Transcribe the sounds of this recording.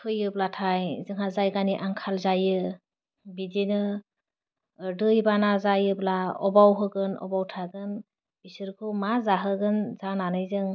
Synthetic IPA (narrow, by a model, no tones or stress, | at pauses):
tʰɯjɯblatʰajzɯŋɦazajɡaniʔaŋkʰalzajɯ | bidenɯ | dɯjbanazajɯblaɔbawɦɯɡɯnɔ̰bawtʰaɡɯn | b̥isɯɾkʰɯwmazaɦɯɡɯnzananɯjzɯŋ